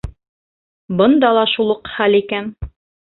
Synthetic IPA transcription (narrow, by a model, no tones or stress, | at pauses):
bɤ̆nd̪ɑlˠɑʃulˠɤqχælikæn